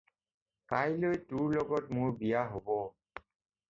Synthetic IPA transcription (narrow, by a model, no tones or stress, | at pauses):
kajlojtʊɹlɔɡɔtmʊɹbijaɦobɔ